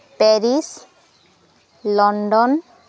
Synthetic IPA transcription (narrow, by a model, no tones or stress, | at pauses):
pɛɾis | lɔɳɖɔn